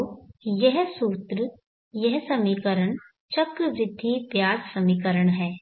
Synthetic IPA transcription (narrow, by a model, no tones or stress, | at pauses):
jɛɦsuːt̪ɾə | jɛɦsɐmiːkəɾəɳ̃ | t͡ʃɐkɾʋɾɪd̪ʱːipjaːssɐmiːkəɾəɳ̃ɦɛː